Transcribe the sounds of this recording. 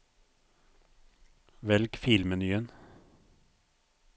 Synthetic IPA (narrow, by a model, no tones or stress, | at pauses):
ʋɛlkfɪlmənyːən